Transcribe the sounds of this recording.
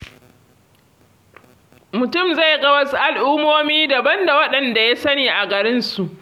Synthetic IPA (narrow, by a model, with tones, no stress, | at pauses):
mʊ˨tʊ˦˨mza˦˨jɡɐ˦wɐ˦su˦ʔa˨lʔuː˦mːoː˦miː˦da˨bɐ˦nda˨wɐ˦ɗɐ˨nda˨ja˦sɐ˦niː˨ʔa˨ɡɐ˨ɾɪ˦nsu˨ʔ